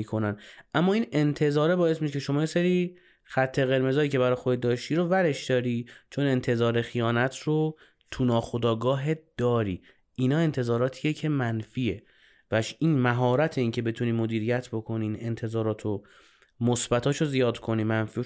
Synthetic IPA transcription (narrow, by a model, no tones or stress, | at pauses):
ikʰo̞nænʔæmːɒːine̞nt̪ʰe̞zɒːɾebɒːe̞smiʃekʰeʃo̞mɒːjeseɾi | xæt̪ʰːe̞ɣe̞ɾme̞zɒːiːcebæɾɒjxod̪ed̪ɒːʃt̪iːɾovæɾe̞ʃd̪ɒːɾiːt͡ʃʰo̞ne̞nt̪ʰe̞zɒːɾexijɒːnæt̪ʰro | t̪ʰunɒːxod̪ɒːɡɒːɦed̪̥ɒːɾiː | inɒːe̞nt̪ʰe̞zɒːɾɒːt̪ʰiːjecʰe̞mænfiːe | væʃinmæɦɒːɾæt̪ʰeiːŋcʰe̞be̞t̪ʰuniːmod̪iːɾijæt̪ʰbo̞kʰo̞nine̞nt̪ʰe̞zɒːɾɒːt̪ʰo | mosbæt̪ʰɒːʃozijɒːd̪kʰo̞niːmænfiː